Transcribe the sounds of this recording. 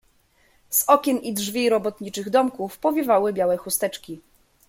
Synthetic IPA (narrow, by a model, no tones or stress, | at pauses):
z̥ɔkʲɛnidʐvʲiɾɔbɔt̪ɲit͡ʂɘɣd̪ɔmkufpɔvʲjɛvawɘbʲjawɛxust̪ɛt͡ʂkʲi